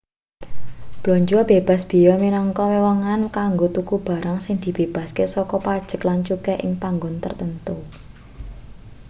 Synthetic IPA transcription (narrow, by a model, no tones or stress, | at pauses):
b̥loɲd͡ʒuab̥eb̥a̤sb̥i̤jɔminɔŋkɔwewɔŋankaŋɡot̪ukub̥a̤ɾaŋsɪŋd̪̥i̤b̥eb̥a̤skesɔkɔpad̥ʒ̥ə̤klaɲt͡ʃukeʔɪ̰ŋpaŋɡʊnt̪ərt̪ənt̪u